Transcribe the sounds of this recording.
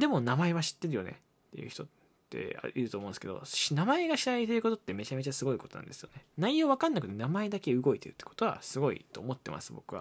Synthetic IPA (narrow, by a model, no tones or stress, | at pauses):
d̪e̞mo̞namae̞βaɕi̥t̪ːe̞ɾɯ̟jo̞ne̞̰ | tt̪ːe̞jɯ̟çi̥t̪o̞ | t̪ːe̞̰a̰iɾɯ̟t̪omõnesked̪o̰inamae̞ɡaɕiɾait̪eɾɯ̟ko̞t̪o̞t̪ːe̞me̞t͡ɕamet͡ɕasɨɡo̞iko̞t̪o̞nã̰nd̪esɨjone̞naijo̞ːβakãnːakɯ̟t̪e̞namae̞d̪akeɯ̟ɡo̞it̪e̞ɾɯ̟t̪ːe̥ko̥t̪o̞βa̰sɨɡo̞ḭt̪o̞ːmo̞t̪ːe̞mʔa̰sɨbo̞kɯ̟βa̰